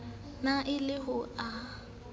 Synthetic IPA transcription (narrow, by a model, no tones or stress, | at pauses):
naʔɪlɪɦʊa